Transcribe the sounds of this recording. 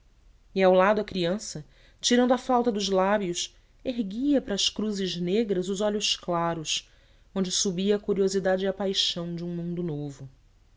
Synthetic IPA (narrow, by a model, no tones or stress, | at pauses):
ɪawlad̪ʊɐkɾiɐ̃sɐ | t͡ʃiɾɐ̃nd̪ʊɐfawt̪ɐd̪ʊzlabjʊs | eɦɡiɐpɾɐʃkɾuzɪʒneɡɾɐzʊzɔʎʊʃklaɾʊs | õnd͡ʒɪsubiɐːkuɾiozid̪ad͡ʒapajʃɐ̃w̃d͡ʒɪũmũnd̪ʊnovʊ